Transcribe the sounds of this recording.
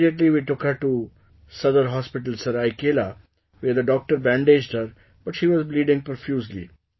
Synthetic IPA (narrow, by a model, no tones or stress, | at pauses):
iəʈliʋiːʈʊkhəɾʈu | sʌd̪əɾɦɔːspɪʈəlsəɾaɪkeːla | ʋeːɾd̪əɖɔːk̚ʈəɾbæ̃ːɳɖed͡ʒɖhəɾ | b̥ʌʈʃiːʋɔzbliːɖɪ̃ŋpəɾfjuːslḭ